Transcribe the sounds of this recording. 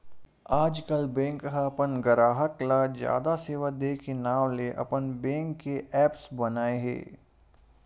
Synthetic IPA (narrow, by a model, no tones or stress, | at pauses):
aːd͡ʒkəlbɛ̃ːŋkɦapənɡɐɾaːɦəklad͡ʒja̰ːd̪aseːʋad̪eːkenaːʋleʔɐ̰pənbɛ̃ːŋkːeʔɛːpsbɐnaːeɦɛ̰ː